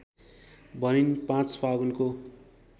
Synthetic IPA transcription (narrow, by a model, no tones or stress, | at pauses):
bʌninpãt͡spʰaɡunko